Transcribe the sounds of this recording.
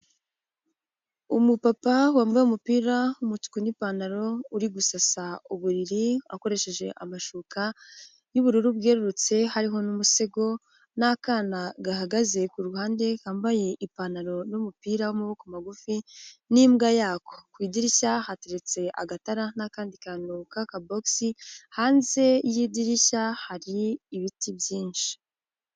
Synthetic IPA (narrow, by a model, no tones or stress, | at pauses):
umupapawaːmbajeumupiːɾaumutu̥kunipanaɾo̞uɾiɡusasauβuɾiɾia̰ko̞ɾe̞ʃe̞ʒe̞ʔamaʃuːkʰa | juβuɾuɾubɡeɾuɾut͡se̞haɾiɦo̞numuse̞ɡo̞ | nakaːnaɡaɦaɡaze̞kuɾuhaːnde̞haːmbaje̞ʔipanaɾo̞numupiːɾawomuβokomaɡufinimɡajaːko̞̥kwiːdiɾiçahate̞ɾet͡se̞ʔa̰ɡataɾanakaːndikanuːkakaboksihaːnze̞jidiɾiçahaɾiːβitibjiːnʃi̥